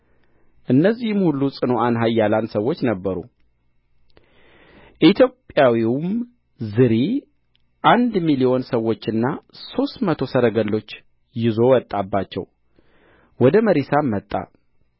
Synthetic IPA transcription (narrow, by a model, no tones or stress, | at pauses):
ʔɨnːəzːihmhulːusʼɨno̞anɦajːalansəwːo̞t͡ʃːnəbːəɾṵ | ʔit̪ʰjo̞pʼːjawiwm | zɨɾi | ʔand̪milio̞nsəwːo̞t͡ʃːɨnːaso̞st̪mət̪ʰo̞səɾəɡəlːo̞t͡ʃː | jɪzo̞wɔt̪ʼːabːat͡ʃːɛ̰w | wɔd̪əməɾesamːət̪ʼːa̰